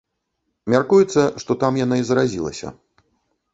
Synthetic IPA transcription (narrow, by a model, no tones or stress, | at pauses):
mʲarkujɛt̪sːɐʂt̪ɔt̪amjanaizɾazʲilˠɐ̰sʲɐ̰